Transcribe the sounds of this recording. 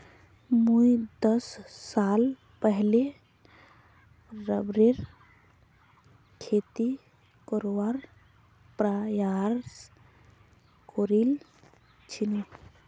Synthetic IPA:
mujd̪əsːal | pəɦle | ɾəbɾeɾ | kʰet̪i | kəɾowaɾ | pɾajaɾs | koɾil | t͡ʃʰini

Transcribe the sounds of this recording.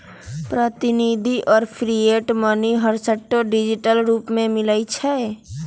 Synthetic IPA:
pɾət̪ɪnid̪ʱiʔɔːɾpʰɾieʈməniɦəɾsəʈːoɖid͡ʒiʈəlɾuːpmẽmɪləjt͡ʃʰɛ

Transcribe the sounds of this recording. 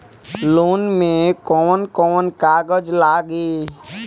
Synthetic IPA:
loːnmẽkɔːnkɔːnkaːɡəd͡ʒlaːɡiː

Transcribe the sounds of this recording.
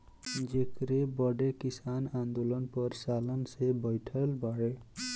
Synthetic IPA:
d͡ʒekɾebʌɖekisanand̪olʌnpʌɾsalʌnsebʱʌjʈʰəlbʱaɽe

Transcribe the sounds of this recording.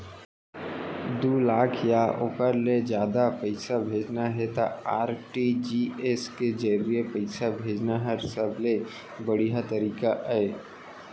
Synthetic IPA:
d̪uːlaːkʰjaʔoːkəɾled͡ʒjaːd̪apəɪsabʱeːd͡ʒnaɦɛt̪aaːɾʈid͡ʒiːesked͡ʒəɾijepəɪsabʱeːd͡ʒnaɦəɾsəbʱle | bɐɽijat̪ɐɾiːkaʔeː

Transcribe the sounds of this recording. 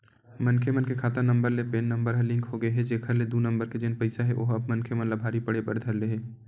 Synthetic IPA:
mənkʰemənkekʰaːt̪anə̃mbəɾlepeːnːə̃mbəɾɦɛlɪ̃ŋkɦoɡəeɦɛd͡ʒeːkʰəɾled̪unə̃mbəɾked͡ʒenpəɪsaɦɛʔo̰ːɦɐbmənkʰemənlabʱaːɾipəɽebɐɾd̪ʱɐɾleɦɛː

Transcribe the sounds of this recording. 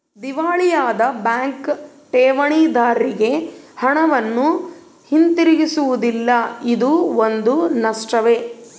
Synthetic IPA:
d̪iʋaːɭijaːd̪ɐbjaːŋk | ʈeːʋɐɳiːd̪aːɾiɡe̞hɐɳɐʋɐnːu | hint̪iɾiɡisuʋud̪ilːɐid̪uond̪unɐʂʈɐʋe̞

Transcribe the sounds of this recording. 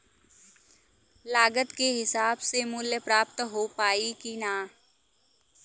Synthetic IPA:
laːɡət̪keɦɪsaːbsemʊljəpɾaːpt̪ɦoːpaːikinaː

